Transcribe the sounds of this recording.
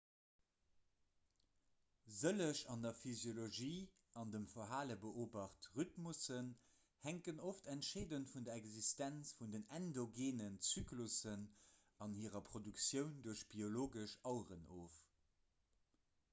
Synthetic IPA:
zələʃɑndɐfyzjoloʒiː | ɑndəmfɐɦaːləbəʔoːbɑχtʁytmusən | hæŋkənoftʰæntʃeːdəntfundɐɛɡzistænt͡sfundənændoɡeːnənt͡syːklusən | ɑnhiːʁɐpʰʁ̥odyksjəʊnduɐʃb̥ioloːɡəʃɑʊʁənoːf

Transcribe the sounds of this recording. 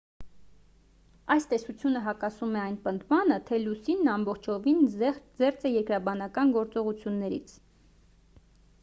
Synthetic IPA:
ɑjst̪ɛsut͡sʰjunəɦɑkɑsumɛɑjnpənd̪mɑnət̪ʰɛlusinːɑmbɔχt͡ʃʰɔvind͡zɛɾt͡sɛjɛɾkɾɑbɑnɑkɑnɡɔɾt͡sɔʁut͡sʰjunːɛɾḭt͡sʰ

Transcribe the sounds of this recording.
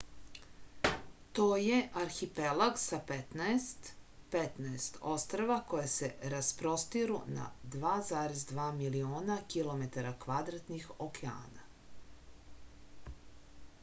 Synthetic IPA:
t̪oːje̞ʔaɾxipelaɡsapet̪naest̪pet̪naest̪ost̪ɾaʋako̞jaseɾaspɾo̞st̪iɾṵna̰d̪ʋaːzaːɾezd̪ʋaːmilio̞ːnakilˠo̞me̞t̪aɾakʋad̪ɾat̪nixokea̰ːna

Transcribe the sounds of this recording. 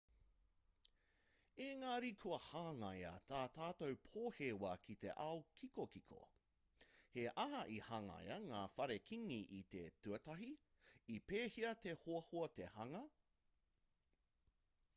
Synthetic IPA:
eŋaːɾikʰuɐhaːŋɐjɐ̰t̪ʰaːtaːtowpʰoːheːwɐkʰit̪e̞̰ʔawkʰikokikʰo̰ | heʔɐɦɐʔihaŋɐ̰jɐŋaːfɐɾekʰiŋiʔit̪etʉɐtɐɦi | ipeːhiɐt̪ehoɐhoɐtehɐŋɐ

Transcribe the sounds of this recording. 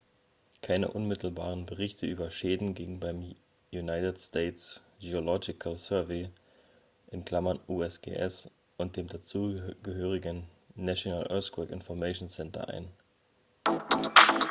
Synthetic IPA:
kʰaɪnə̰ʔʊnmɪtl̩baːʁənbəʁɪçtəʔyːbɐʃeːdn̩ɡɪŋən̩baɪm | junaɪtətsteːts | j̥eolɔɡɪkʰalsɛɐveː | ʔɪnkl̥amɐnʔuːɛsɡ̥ḛːʔɛs | ʔʊnt̚d̥eːmdat͡suːɡəɦøːʁ̞ɪɡənː | asjonalʔɛskwɛkʔɪ̰nfɔɐmɛʃonsɛntɐ̰ʔa̰ɪn

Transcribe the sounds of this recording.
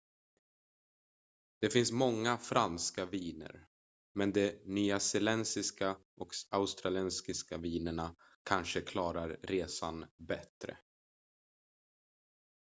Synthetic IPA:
d̪̥ɛfɪnsmɔŋːafɾanskaviːnə̰ɾ | mɛnd̪ɛnyːasɛlɛnsɪskaʔɔkaʊst̪ɾalɛnskɪskaviːnəɳa | kʰanʂəkʰlɑːɾaɾːeːsanbɛt̪ɾə̰

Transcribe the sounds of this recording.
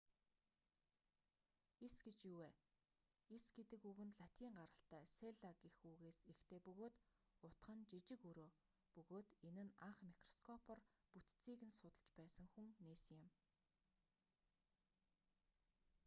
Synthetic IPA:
esɡet͡ɕjuweː | esɡet̪ɘ̆kɵɣɘ̆nɮat̪iːŋɢaɾə̆ɬt̪æːseɮakixuːɣeːsext̪ʰeːpɵɣoːt̪ʊt̪χə̆nt͡ɕit͡ɕɪ̆kɵɾoː | pɵɣoːt̪enɘ̆naɴχmikrɔskʰɔpʰɔ̆rput̪t͡siːɣɘ̆nsʊt̪ə̆ɮt͡ɕpæːsə̆ŋxuŋneːsɘ̆ŋjɪ̆m

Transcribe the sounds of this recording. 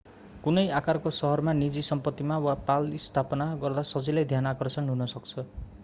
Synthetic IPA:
kunʌjakarkosʌɦʌrmanid͡zisʌmpʌt̪ːimawapalist̪ʰapʌnaɡʌrd̪asʌd͡zilajd̪ʱjanakʌrsʌnɦunʌsʌkt͡sʰʌ

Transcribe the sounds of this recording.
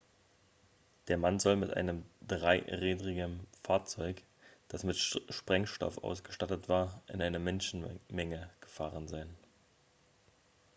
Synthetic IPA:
d̥eːɐmanzɔlmɪtʔa̰ɪnəmdʁaɪʁeːdʁɪɡənfaːɐt͡sɔʏk | d̥asmɪtʃpʁ̥ɛŋʃtɔ̰fʔa̰ʊsɡ̥əʃtatətv̥aːɐʔɪ̰nʔaɪnɐmɛnʃn̩mɛŋəɡ̥əfaːʁ̞ənzaɪn

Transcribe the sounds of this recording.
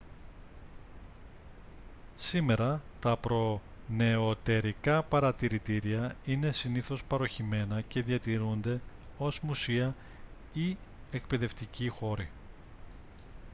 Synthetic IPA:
sime̞ɾɐt̪ɐpɾo̞ | ne̞ot̪e̞ɾikɐpɐɾɐt̪iɾit̪iɾiɐine̞siniθo̞spɐɾo̞çime̞nɐce̞ðiɐt̪iɾund̪e̞ | o̞zmusiɐ | i | e̞kpe̞ðe̞ft̪icixo̞ɾi

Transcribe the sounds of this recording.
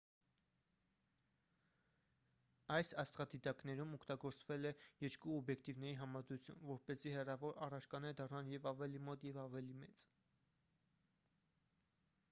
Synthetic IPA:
ɑjsɑst̪χɑd̪it̪ɑknɛɾumɔkt̪ɑɡɔɾt͡svɛlɛjɛɾkuɔbjɛkʰt̪ivn̪ɛɾiɦɑmɑd̪ɾut͡sʰjṵmvɔɾpɛzihɛrɑvɔɾɑrɑt͡ʃʰkɑnɛd̪ɑrnɑnjɛvɑvɛlimɔt̪jɛvɑvɛlimɛt͡s

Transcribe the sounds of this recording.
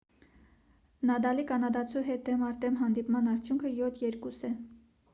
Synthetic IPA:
nɑd̪ɑlikʰɑnɑd̪ɑt͡sʰuɦɛt̪̚d̪ɛmɑɾt̪ɛmɦɑnd̪ipmɑnɑɾt͡sʰjuŋkʰəjɔt̪ʰjɛɾkusɛ

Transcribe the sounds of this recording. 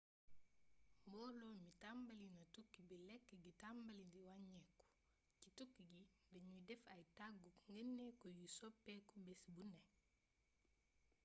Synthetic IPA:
mbɔlomitambalinɐtukːibilɛkːɡitambalindiwaɲeku̥ | citukːiɡibeɲudɛfajtaɡukŋɡənːekojusopːekobɛsbune

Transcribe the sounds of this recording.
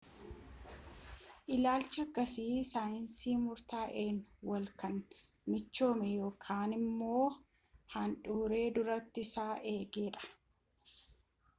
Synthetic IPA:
ʔɪlaːlt͡ʃːɪɐkːɐsiːsaːjɪnsiːmʊɾt̪aːʔe̞ːnwɐlkɐn | mɪt͡ʃːo̞ːmɛjo̞ːkʰaːnɪmːo̞ː | hɐnᶑuːɾe̞ːd̪ʊɾɐt̪ːɪsaːʔe̞ːɡe̞ːᶑɐ̥

